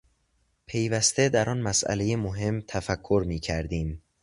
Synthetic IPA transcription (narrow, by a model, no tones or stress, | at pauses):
pʰe̞jvæst̪e̞d̪æɾʔɒːnmæsʔæ̰le̞jemoɦe̞mt̪ʰæfækʰːoɾmiːcʰæɾd̪iːm